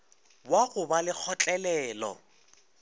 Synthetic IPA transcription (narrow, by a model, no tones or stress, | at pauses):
waɣʊbalɪk͡xʰɔt͡ɬʼɛlɛːlɔ̰